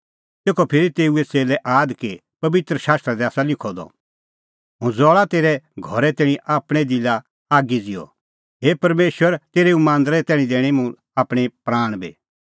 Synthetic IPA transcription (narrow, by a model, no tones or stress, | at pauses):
t̪eːkɔpʰɪɾit̪eːuet͡seːlɛʔaːd̪ke | pɐbɪt̪ɾəʃaːst̪ɾad̪ɛaːsalɪkʰɔd̪ɔ̰ | ɦʊ̃d͡zɔːɭat̪eːɾɛɡʱɔɾɛt̪ɛːɽ̃ĩʔaːpɽ̃ɛd̪ɪla | aːɡid͡zɪjɔ̰ | ɦeːpɐɾmeːʃwəɾt̪eːɾeũmãːnd̪ɾɛt̪ɛːɽ̃ĩd̪eːɽ̃imũ | aːpɽ̃ipɾaːɽ̃bḛː